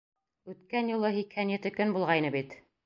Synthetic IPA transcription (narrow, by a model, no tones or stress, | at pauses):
ʉt̪kænjulˠɤhikhænjɘ̆t̪ɘkɵnbulˠʁɑjnɤbit̪